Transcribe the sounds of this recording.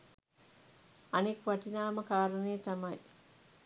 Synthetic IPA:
ɐnikʋɐʈinaːməkaːɾənejt̪ɐmɐj

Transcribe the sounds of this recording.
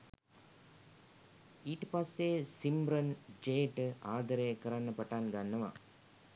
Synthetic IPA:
iʈːpaːseːsimbɾɐnd͡ʒeːʈɨaːd̪ɐɾeːkɐɾaːnːɐpːɐʈːaːnɡanːɐʋa̰ː

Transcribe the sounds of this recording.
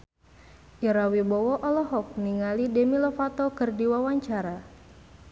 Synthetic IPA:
ʔiɾawibɔwɔʔɔlɔɦɔk̚niŋalidɛmilɔfat̪ɔkɨrdiwawaɲt͡ʃaɾa

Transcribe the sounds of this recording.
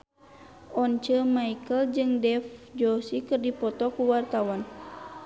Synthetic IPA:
ʔɔnt͡ʃəmaikəld͡ʒɨŋdɛfd͡ʒɔsikɨrdipɔt̪ɔkuwart̪awan

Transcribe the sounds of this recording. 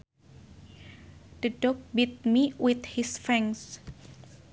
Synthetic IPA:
d̥ɨɖ̥ɔk̚bit̪̚miwɪt̪̚hisfɛ̃ŋs

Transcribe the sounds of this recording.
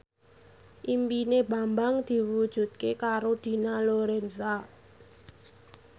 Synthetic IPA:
ʔimpineba̤mbaŋd̪̥i̤wud̥ʒ̥ṳt̪̚kekaɾod̪̥i̤naloɾɛnsa

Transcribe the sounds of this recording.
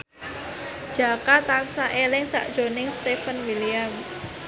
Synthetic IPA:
d̥ʒ̥a̤kat̪ansaʔelɪŋsa̰ʔd̥ʒ̥o̤nɪŋst̪efənwiliam

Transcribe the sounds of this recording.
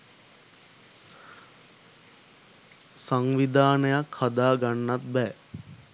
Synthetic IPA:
saŋʋid̪aːnəjakhad̪aːɡanːat̪̚bɛː

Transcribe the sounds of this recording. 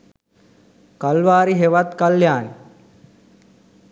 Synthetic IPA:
kalʋaːɾiɦeʋat̪kɐljaːni

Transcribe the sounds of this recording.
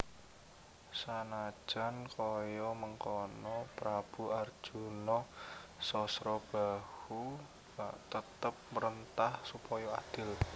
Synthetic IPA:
sanḁʒ̥a̤nkʰɔjɔməŋkɔnɔpɾab̥ṳarʒ̥unɔsɔsɾɔb̥ahu | b̥aʔt̪ət̪̚əp̚məɾənt̪ahsupɔjɔa̰d̪̥ɪ̤l

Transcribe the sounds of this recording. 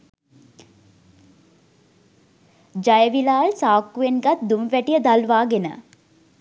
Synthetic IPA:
d͡ʒajəʋilaːɭsaːkːuʋenɡat̪d̪uməʋæʈijəd̪alʋaːɡenə̰

